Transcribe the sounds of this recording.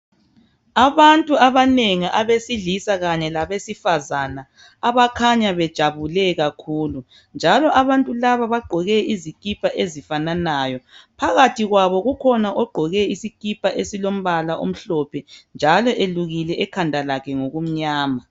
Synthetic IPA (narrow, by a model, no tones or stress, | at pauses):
aβantʼuaβaneŋiʔaβesiɮisaɣaɲɛlaβesifazanaː | βakʰaɲaβɛd̥ʒ̥ʱaβulɛɣakʰuːlu | nd͡ʒʱalɔʔaβantʼulaβaβaɡ͡ǃʱɔɣɛizikʼipʰaʔezifananaːjɔpʰaɣatʰiɣwaβɔɣukʰɔnaʔɔɡ͡ǃʱɔɣɛisikʼipʰaʔesilom̩βalaʔo̰m̩ɬɔpʰɛnd͡ʒʱalɔʔeluɣilɛʔɛkʰandʱalakʰɛŋoɣum̩ɲaːma